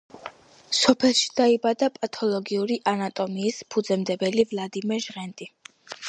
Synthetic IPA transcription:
sɔpʰɛlˠʃi̥d̪̥aibad̪apʼat̪ʰɔlˠɔɡiuɾiʔanat̪ʼɔmiːspʰud̪zɛmd̪ɛbɛlivlˠad̪imɛɾʒʁɛnt̪ʼi

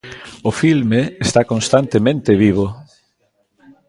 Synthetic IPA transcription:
ʊfilmeest̪akõnst̪ant̪emẽnt̪eβiβ̞o

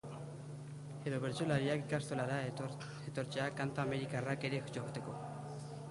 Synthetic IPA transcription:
e̞ðo̞βeɾt͡solaɾiakikast̪olaɾa | et̪o̞ɾt͡ʃeakant̪aame̞ɾikarake̞ɾe̞xt͡ʃoɣot̪e̞ko̞

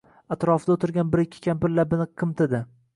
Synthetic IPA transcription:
at̪ɾɒfɪd̪aot̪ɪɾɡʲanbɪɾɪkʲʰːɪ̥kʲʰampɪɾlabɪnɪqʰɨmt̪ɪd̪ɪ

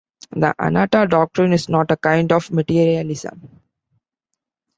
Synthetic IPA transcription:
d̪ə̰ʔa̰naːʈaɖɔːk̚ʈɾɪ̃nɪsnɔːʈəkãɪ̃ɳɖɔfməʈiːɾiəlɪsə̰̃m

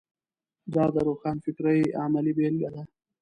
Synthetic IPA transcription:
d̪aːd̪ɐɾoxɑːnfɪkɾajaːmɐlibeːlɡɐla

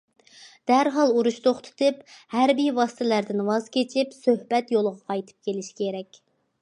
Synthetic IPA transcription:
d̪̥æɾɦɑlˠuɾuʃt̪ʰoχt̪ʰɨ̥t̪ʰɨphæɾbijwɑsɨ̥t̪ʰɪlæɾd̪ɪnwɑzkʲet͡ʃʰipsøhbɛt̪jolˠʁɑqʰɑjt̪ʰɨ̥p̚kʲʰelɪʃi̥kʲʰeɾɛkʲ

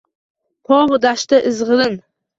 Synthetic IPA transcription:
pʰɒʁd̪aʃt̪aʔɪzʁɨɾɪn

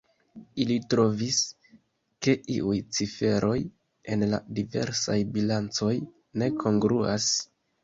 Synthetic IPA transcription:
ilitɾo̞vis | ke̞ʔiʔujt͡sife̞ɾʔo̞j | e̞nla̰dive̞̰ɾsajbilant͡so̞j | ne̞kʰo̞ŋɡɾuas

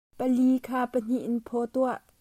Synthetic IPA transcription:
pəliːkʰaːpən̥iʔnpʰɔt̪uaʔ

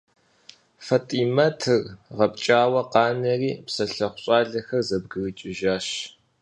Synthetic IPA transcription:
fɐtʼiːmɐtʰɨrʁɐp̚t͡ʃʼaːwɐqɑːnɐriːpsɐɬɐχʷʊɕʼɑːɮɐxɐrzɐb̚ɡɨrit͡ʃʼɪʒaːɕ

